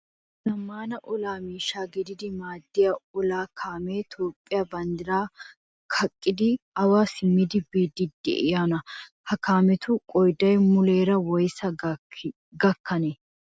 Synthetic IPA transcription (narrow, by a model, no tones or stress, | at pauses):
nɐmːaːnɐʔɔlaːmiːʃaːɡɪd̪ɪd̪ɪmaːd̪ːɪjɐɔlaːkʰaːmeːt̪ʰoːpʼːɪjabɐnd̪ɪɾaː | kʰɐkʼːɪd̪ɪɐwaːsɪmːɪd̪ɪbiːd̪ɪd̪ːɛ̰ʔɪjaːnɐhɐkaːmɛt̪ʊkʼɔjd̪ɐjmʊleːɾɐwɔjsɐ | ɡɐkːɐnɛ